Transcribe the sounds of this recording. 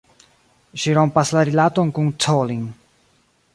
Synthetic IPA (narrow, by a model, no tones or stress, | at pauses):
ʃiɾo̞mpaslaɾilato̞nkuntʰoliŋ